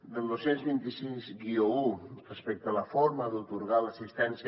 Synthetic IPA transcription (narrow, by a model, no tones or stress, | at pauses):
d̪əlˠd̪osenzβint̪isizɡiourəspɛk̚t̪aləfɔoɾməðut̪uɾɣaləsist̪ɛnsj